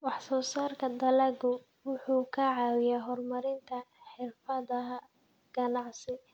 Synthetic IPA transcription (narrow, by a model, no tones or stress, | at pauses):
wɑħsɔːsaːrkʰɐd̪ɐlɐɡʊ | wʊħuːkʰɐʕɑːwɪjaːɦɔrmɐɾɪnt̪ʰɐħɪrfɐðɐɦɐ | ɡ̥ɐnɑʕsɪ